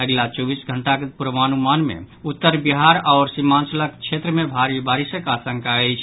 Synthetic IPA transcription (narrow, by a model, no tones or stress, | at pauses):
əɡlat͡ʃɔbisɡʱəɳʈakepuɾʋanumanmḛ | ut̪ːəɾbiɦaɾaɾsimant͡ʃələkt͡ʃʰet̪ɾəmebʱaɾibaɾisəkasəŋkaɛjt͡ʃʰ